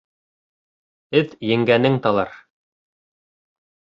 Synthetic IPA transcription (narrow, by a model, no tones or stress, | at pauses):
ɘðjɘ̆ŋɡænɘŋt̪ɑlˠɑ̰ɾ